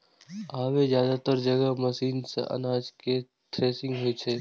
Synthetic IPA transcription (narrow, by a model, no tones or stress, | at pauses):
aːʋezjaːd̪at̪əɾd͡ʒəɡəmɐsiːnsḛʔɐ̰naːd͡ʒke | t̪ɾeːsɪ̃ŋɡɦoet͡ʃʰeː